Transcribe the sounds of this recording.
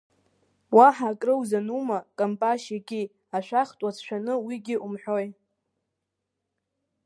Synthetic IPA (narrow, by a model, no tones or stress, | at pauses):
waħaːkʼrɨwzanumakʼampʼaʃakʲʼi | aʃʷᶣaχtʼat͡sʰʃʷᶣanɨwiɡʲɪʔumħᶣoj